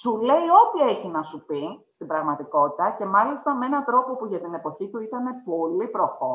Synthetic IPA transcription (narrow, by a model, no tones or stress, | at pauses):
sule̞io̞t̪ieçinɐsupist̪ibɾɐɣmɐt̪iko̞t̪it̪ɐce̞mɐlist̪ɐmee̞nɐt̪ɾo̞po̞puʝɐt̪ine̞po̞çit̪uit̪ɐne̞po̞lipɾo̞fo